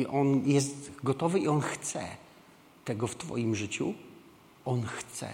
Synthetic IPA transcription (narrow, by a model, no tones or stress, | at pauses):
ʔɔnjɛs̬t̪ɡɔt̪ɔvɘiɔnxt̪sɛ̰ | t̪ɛɡɔft̪fɔ̰jimʐɘt͡ɕṵ | ɔnxt̪sɛ̰